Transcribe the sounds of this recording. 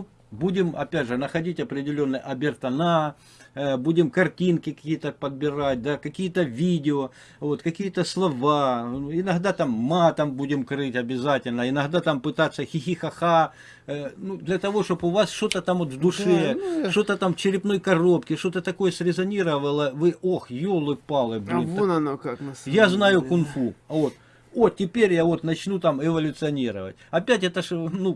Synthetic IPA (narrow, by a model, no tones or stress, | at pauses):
u | budʲɪmɐ̰pʲædʲʐɨnəxɐdʲitʲɐpɾʲɪdʲɪlʲo̞nːɨjʔɐbʲɪrt̪ɐna | budʲɪmkɐrtʲinkʲɪkɐ̥kʲijət̪əpəd̪̚bʲɪɾat̚ʲd̪akɐkʲijət̪əvʲidʲɪo | vo̞t̪kɐkʲijət̪əslˠɐvanuɪnɐɣd̪at̪amːat̪ɐmbudʲɪmkɾɨtʲɐbʲɪzatʲɪlʲnəɪnɐɣd̪at̪ampɨt̪at̪sːəxʲɪxʲixɐxa | nud̪lʲɐt̪ɐvo̞ʂt̪opʊvasʂt̪o̞t̪ət̪amot̪vd̪ʊʂɛt̪o̞t̪ət̪amt͡ɕɪɾʲɪpno̞jkɐro̞pkʲɪʂt̪o̞t̪ət̪ɐko̞jəsɾʲɪzɐnʲiɾəʋəlˠəvɨʔoxjolˠɨpalˠɨbʲɪnnkajaznajʊkʊnfuɐvo̞t̪ | otʲɪpʲeɾʲjavo̞t̪nɐt͡ɕnut̪amɪvɐlʲʊt̪sɨɐnʲiɾə̰ʋə̰tʲɐpʲætʲɛt̪əʂnu